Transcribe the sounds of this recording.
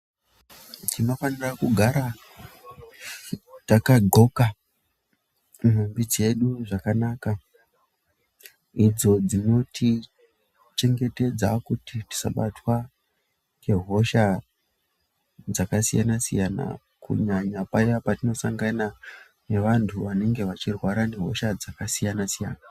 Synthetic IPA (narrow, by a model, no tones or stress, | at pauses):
tino̞fanirakuɡʱaɾa | takaɡʱo̞ka | mumbid͡ze̞ɗuʐakanaːka | id͡zo̞d͡zino̞tʰi | t͡ʃe̞ŋɡe̞te̞d͡zakutiti̥sa̰ɓatwa | ke̞ɦo̞ʃa | d͡zakasijanasijana̰ | kṵɲaɲapajapatino̞saŋɡana | ne̞ʋantʰuʋane̞ŋɡe̞ʋat͡ʃirwaɾane̞ɦo̞̰ʃad͡zakasijanasija̰ːna